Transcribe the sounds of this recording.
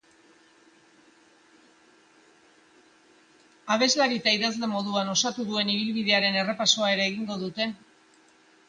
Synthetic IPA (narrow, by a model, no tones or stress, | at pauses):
aβ̞e̞zlaɾit̪aiðazle̞mo̞ðuano̞sat̪uðue̞niβ̞ilβiðe̞aɾe̞ne̞repaso̞ae̞ɾaːɣiŋɡo̞ð̞ut̪e̞